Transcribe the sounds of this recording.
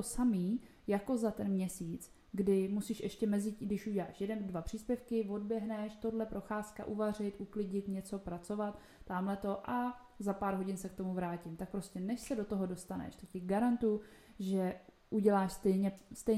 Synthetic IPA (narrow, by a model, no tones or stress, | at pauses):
osamiː | jako̞zat̪ɛnmɲɛsiːt͡s | ɡdɪmusiːʃʔɛʃcɛmɛzɪcɡdɪʃʔuɟɛla̰ːʃjɛdɛndvapr̝̥iːspjɛfkɪvo̞dbjɛɦnɛʃt̪o̞dlɛpɾo̞xaːska̰ʔuvar̝ɪt̪ʔuklɪɟɪt̪ɲɛt͡so̞pɾat͡so̞vat̪ː | aːmlɛt̪o̞ʔa | zapaːɾɦo̞ɟɪnsɛk̚t̪o̞muvɾaːcɪmt̪ak̚pɾo̞scʲɛnɛʃsɛdo̞t̪oɦo̞do̞st̪anɛ̰ʃt̪ocɪɡaɾant̪ujuʒɛ | ʔuɟɛlaːʃst̪ɛjɲɛst̪ɛj